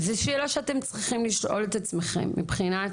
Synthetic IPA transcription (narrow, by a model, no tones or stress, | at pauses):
zɛʃelaʃeatemt͡sʁiχimliʃʔo̞̰letat͡smeχḛmːḭbχina